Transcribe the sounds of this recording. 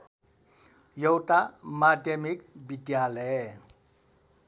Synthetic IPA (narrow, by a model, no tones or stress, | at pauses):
jɔwtamademik̚bidjalɛ